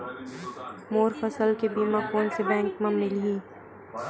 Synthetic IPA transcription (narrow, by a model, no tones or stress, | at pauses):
moːɾfɐsəlkebiːmakoːnsebɛ̃ːŋkmɐmnilɦiː